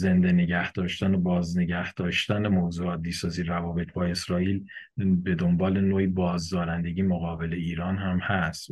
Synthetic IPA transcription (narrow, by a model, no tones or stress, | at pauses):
ze̞nd̪e̞ne̞ɟæhd̪̥ɒːʃt̪ænobɒːzne̞ɟæhd̪̥ɒːʃt̪ænemozuːɒːd̪ːiːsɒːziːɾævɒːbe̞t̪ʰbɒːe̞sɾɒːiːlbe̞d̪o̞mbɒːle̞noːibɒːzd̪ɒːɾænd̪e̞ɟiːmoɣɒːbe̞le̞iːɾɒːnɦæmhæst̪